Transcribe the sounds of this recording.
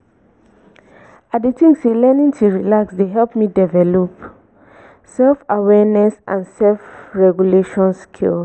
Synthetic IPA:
adetĩŋselɛnĩntʰuɹilaksdeɦɛlp̚midɛvɛlop | sɛlfawɛnɛsʔã̰nsɛlfɹɛɡuleʃɔ̃nskʰḭl

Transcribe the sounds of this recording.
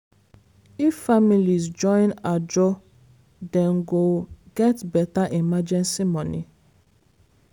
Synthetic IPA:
ifːamilizd͡ʒɔ̃ɪ̃nad͡ʒɔ | dɛ̃ŋɡoɡɛtbɛtaʔimad͡ʒɛ̃nsimɔ̃nḭ

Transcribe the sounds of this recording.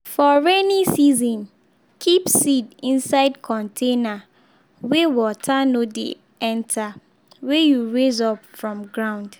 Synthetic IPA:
fɔɹɛnisizɔ̃n | kʰipsidĩnsaɪdkʰɔ̃ntʰena | wewɔtʰanodḛ | ɛ̃ntʰa | wejuɹezɔpfɹɔ̃mɡɹãʊ̃nd̥

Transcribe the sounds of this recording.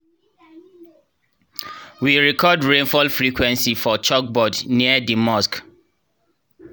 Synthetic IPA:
wiɹɛkʰɔdɹẽnfɔlfɹikʰwɛ̃nsifɔt͡ʃɔk̚bɔdniədimɔsk

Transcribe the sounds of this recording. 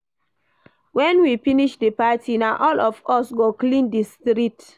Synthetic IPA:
wɛ̃nwifiniʃdəpatʰinãʔɔlɔfɔsɡoklĩndistɾit

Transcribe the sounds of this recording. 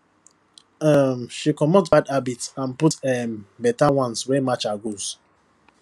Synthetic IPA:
amʃikɔmɔtbadabitsãnputɛmbɛtawɔ̃nswɛmat͡ʃaɡoz̥

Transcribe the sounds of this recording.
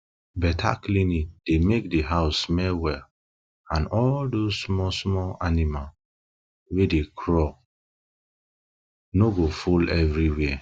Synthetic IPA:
bɛtʰa̰klinik̚d̥emek̚dəɦaʊsmɛwɛl | ãnɔldozsmɔsmɔlanimal | wedekʰɹɔ | noɡofulɛvɹiwɛ

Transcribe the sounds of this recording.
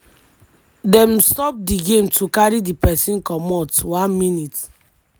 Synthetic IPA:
dɛ̃mstɔp̚diɡẽmtukaɹidipɛsĩnkɔmɔtuwãnminit

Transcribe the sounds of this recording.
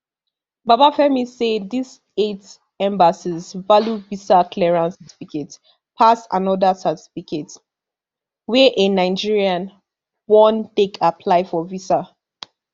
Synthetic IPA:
babafɛmisedis | et | ɛ̃mbasizvaljuvisakʰlɛɹãnsati̥fiket | pʰasã̰nɔdasati̥fikʰet | wɛʔenaɪd͡ʒiɹiãn | bɔ̃ntekʰapʰlaɪfɔvisa

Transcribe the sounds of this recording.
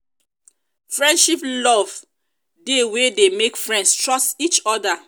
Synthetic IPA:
fɹɛ̃ndʃiplɔv | dewedemekfɹɛ̃ndstɹɔstit͡ʃɔda

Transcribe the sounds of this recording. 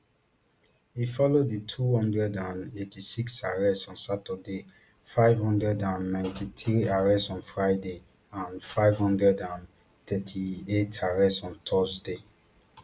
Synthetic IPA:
hifɔlodðitʰuhɔ̃ndɹɛdãnetisiksaɹɛstɔ̃nsatəde | faɪvhɔ̃ndɹɛdãnːãɪ̃ntʰitʰɹiaɹɛsɔ̃nfɹaɪde | ãnfaɪvhɔ̃ndɹɛdãn | tʰɛtʰietʰaɹɛsɔ̃ntʰɔzde

